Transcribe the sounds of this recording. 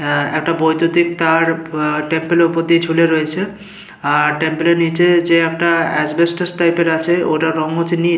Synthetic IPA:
ɛ̰k̚ʈabojt̪ud̪ik̚t̪aɾʈempelupod̪id͡ʑʱuleɾoet͡ɕʰe | aʈempelenit͡ɕed͡ʑeɛkʈaɛsbesʈesʈajpeɾat͡ɕʰeo̰ʈaɾɔŋot͡ʃini

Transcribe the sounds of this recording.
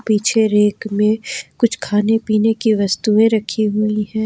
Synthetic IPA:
piːt͡ʃʰeɾeːkmẽkʊt͡ʃʰkʰaːnepiːnekiʋɐst̪uẽɾɐkʰiɦʊiɦɛ̃ː

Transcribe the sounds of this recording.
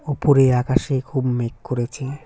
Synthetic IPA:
upoɾeɾakaʃekʰubmekkoɾet͡ɕʰe

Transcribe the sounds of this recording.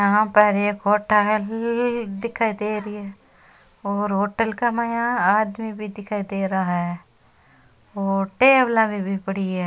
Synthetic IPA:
apɛːɾekoːʈald̪ɪkʰaːid̪eːɾiɛː | oːɾɦoːʈəlkamajãaːd̪mibʱid̪ɪkʰaːid̪eːɾaɦaɦɛ | oːʈeːblãbʱibʱipəɽiɛː

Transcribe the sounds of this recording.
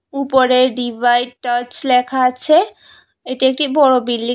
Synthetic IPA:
upoɾeɾɖibʱajɖ̚ʈət͡ɕlɛkʰaat͡ɕʰe | eʈiek̚ʈibɔɹobilːi

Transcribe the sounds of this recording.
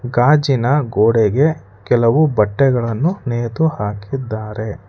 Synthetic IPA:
ɡaːd͡ʒinɐɡoːɽɛɡe̞ | kɛlɐʋubɐʈːɛɡɐɭɐnːuneːt̪uhaːkid̪ːaːɾe̞

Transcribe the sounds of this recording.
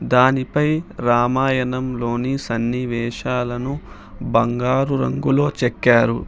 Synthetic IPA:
d̪aːnipɐjɾaːmaːjɐnɐmlo̞ːnisɐnːiʋɛːʂaːlɐnu | bɐŋɡaːɾuɾɐ̰ŋɡulo̞ːt͡ʃɛkːaːɾu

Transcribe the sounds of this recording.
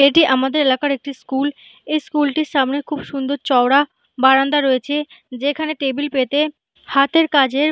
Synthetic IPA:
eʈiʔamad̪eɾelakaɾek̚ʈiskul | ejskulʈiɾʃamnekʰubʃund̪oɾt͡ɕɔoɽa | baɾand̪aɾojet͡ɕʰe | d͡ʑekʰaneʈebilpet̪e | hat̪ʰeɾkad͡ʑeɾ

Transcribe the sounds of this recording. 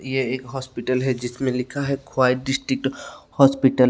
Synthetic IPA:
jeeːkɦɔːspiʈəlɦɛd͡ʒɪsmẽlɪkʰaɦɛkʰwaːɪʈɖɪsʈɾɪk̚ʈhɔːspiʈəl

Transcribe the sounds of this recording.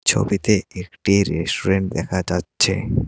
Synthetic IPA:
t͡ɕʰo̰bit̪eekʈiɾesʈoɾeɳʈ̚d̪ɛkʰad͡ʑatːɕʰḛ

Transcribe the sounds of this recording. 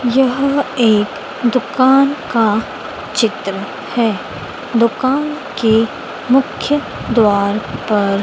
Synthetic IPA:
jɐɦeːk | d̪ʊkaːnka | t͡ʃɪt̪ɾə | hɛː | d̪ʊkaːn | ke | mʊkʰjə | d̪waːɾpɐɾ

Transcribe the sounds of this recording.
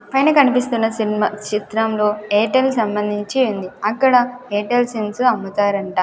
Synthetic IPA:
pɐjnɐkɐnipist̪unːɐsinimɐt͡ʃit̪ɾɐmlo̞ːeːʈelːsɐmbɐnd̪ʱiɲt͡ʃiund̪iɐkːɐɽɐeːʈelsinsuɐmːut̪aːɾɐɳʈaː

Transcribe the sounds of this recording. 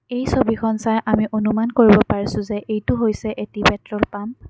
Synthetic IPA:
ejsobixʰɔnsajʔamiʔonumankoɹibɔpaɹisʊ̃zɛʔejtʊɦojsɛʔetibɛtɹɔɹpam

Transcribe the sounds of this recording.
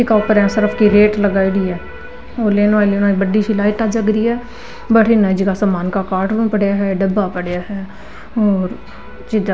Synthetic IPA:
ɪkaːʊpəɾɛ̃ːsɪɾəpʰkiːɾeːʈləɡaːidiːɛː | oːleːnaːleːnaːibəɖiːʃiːlaːɪʈaːd͡ʒəɡɾiːɛː | bəʈʰɪnə̃ːd͡ʒɪkaːsaːmaːnkaːkaːɾʈɾũːpəɽjaːɦɛːɖəbaːpəɽjaːɦɛː | oːɾ | t͡ʃɪd̪a

